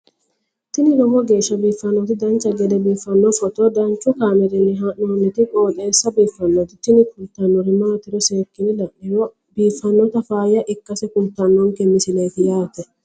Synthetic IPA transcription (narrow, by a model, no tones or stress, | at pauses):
t̪ɪnɪɾɔmɔɡe̞ːʃːɐbiːfːɐnːot̪ɪd̪ɐnt͡ʃːɐɡɛd̪ɛbiːfːɐnːɔfɔt̪ɔd̪ɐnt͡ʃʼːʊkaːmɛɾɪnːɪɦɐʔnonːɛt̪ɪkʼoːt̪ʼe̞ːsːɐbiːfːɐnːot̪ɪt̪ɪnɪkʊnt̪ːɐnːɔɾɪmaːt̪ːɪɾɔseːɾkːɪnɪlɐʔɪɾɔ | biːfːɐnːɔt̪ɐfaːjɐʔɪkːɐsɛkʊnt̪ɐnːɔŋkɛmɪsɪlɐjt̪ɪjaːt̪ːɛ